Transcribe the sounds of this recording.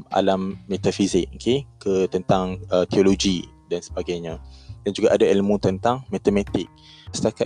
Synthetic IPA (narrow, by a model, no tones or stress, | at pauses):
ʔa̰lamːet̪afizɪk̚okʰekːət̪ənt̪aŋət̪eoloɡi | dansə̥baɡajɲãdand͡ʒuɡaʔadailmũt̪ənt̪aŋmat̪əmãt̪ɪk̚ | sə̥t̪aka